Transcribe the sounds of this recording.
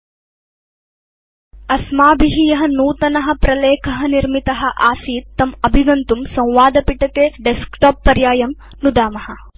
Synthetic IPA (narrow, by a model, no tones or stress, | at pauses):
ɐsmaːbiɦijɐɦɐnuːt̪ɐnɐɦɐ̆pɾɐleːkʰɐɦɐniɾmit̪ɐɦɐ̆ʔaːsiːt̪ːɐmɐbʱiɡɐnt̪umsɐ̃w̃ʋaːd̪ɐpiʈɐkeːɖeskʈoːpːɐɾjaːjɐm | nud̪aːmɐhɐ̆